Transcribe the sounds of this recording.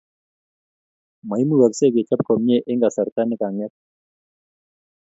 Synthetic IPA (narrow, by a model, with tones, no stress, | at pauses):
ma˨i˦mu˦˨wa˨kse˦˨ke˨t͡ʃa˦p̚kɔ˨m˦e˦ʔe˦ŋɡa˨sa˨ɾt̪a˦nɛ˦ka˨ŋɛ˦k̚